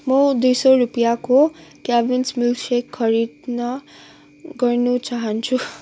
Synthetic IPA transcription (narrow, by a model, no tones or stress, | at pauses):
mʌd̪ujsʌɾupjakokjabinsmilsekʰːʌɾid̪nʌ | ɡʌrnut͡saɦʌnt͡sʰu